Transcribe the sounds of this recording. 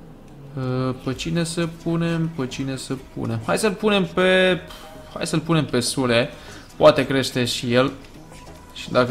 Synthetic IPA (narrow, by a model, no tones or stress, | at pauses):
əpət͡ʃine̞səpune̞mpət͡ʃine̞səpʰṵne̞mxajsəlpune̞mpe̞ | ha̰jsəlpune̞mpe̞sule̞ | poat̪e̞kɾe̞ʃt̪e̞ʃijel | ʃi̥d̪akə